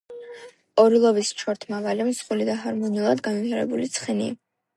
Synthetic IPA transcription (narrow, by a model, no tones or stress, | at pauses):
ɔɾilˠɔbist͡ʃʰɔɾt̪ʰmavalimsχulid̪aɦaɾmɔniulˠad̪ɡanivt̪ʰaɾɛbulit̪sʰχɛni